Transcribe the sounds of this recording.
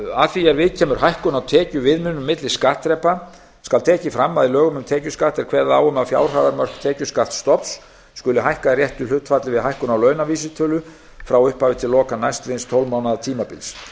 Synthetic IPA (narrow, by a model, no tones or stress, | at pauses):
aðθiɛɾvɪðcʰɛːmʏɾ̥ɦajhkʏnawt̪ʰɛːcʏvɪðmʏnːʏmːɪt̪lɪskaht̪ɾɛpa | skalt̪ʰɛːcɪfɾamːaðilœːɣʏmʏmt̪ʰɛːcʏskaht̪ɛɾ̥kʰvɛːɾðaðaːwʏmaðfja̰ːwr̥aːðaɾmœr̥kt̪ʰɛːcʏskaht̪st̪ɔpsː | kʏlʏɦajhkaɾjɛht̪ʏl̥ʏht̪fat̪lɪvɪðɦajhkʏnawlœːɥnaviːs̬ɪt̪ʰœlʏ | fɾawʏhpaːvɪt̪ʰɪlːɔːkanajst̪ɾejnst̪ʰowlmaːwnaðat̪ʰiːmapɪls